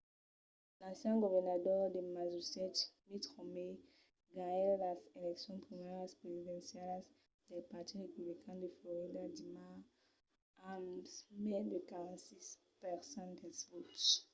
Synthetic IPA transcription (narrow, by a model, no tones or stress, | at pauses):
lãnsjɛ̃ŋɡovɛʁnadɔʁd̪emazusɛtmit̪ʁɔme | ɡaɛllaselɛksjɔ̃npʁimɛʁaspʁezid̪ɛ̃nsjals | d̪elpaʁt̪iʁepublikʰãndefloʁidadima | amsmɛdekaʁãnsis | pɛʁsãndɛlsvot